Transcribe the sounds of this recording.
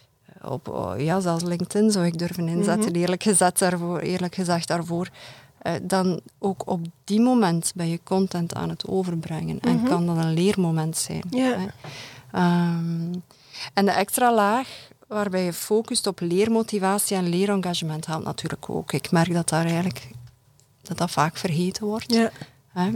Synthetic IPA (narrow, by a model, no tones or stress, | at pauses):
ɔ̰pjaːzɛlˠslɪŋk̚tɪnzɔwɪɡ̚dørvənɪnzɛktənɪːrləkxəzɛtarvːḛːrləkxəzɛxt̚d̥aːrvoːr | ʔədɑnoːkʰɔb̚dimomɛntbɛjəkɔntɛntʰa̰ːnɦətʰoːvərbrɛŋənɛ̰nkɑndɑnənleːrmomɛntsɛ̰ːnɦɛ | əm | ɛndəʔɛkstralaːx | ʋaːrbɛjəfoːkystɔpleːrmotivaːsiɛnleːɾɑŋɣaʒəmɛntɦɛwtnɑ̰tyːrləkʰo̰ːkɪkmɛrɡ̚dɑtaːɾɛːɣənlək | d̥ɑtdɑtfaːkfərɣeːtənʋɔrt | ɦɛ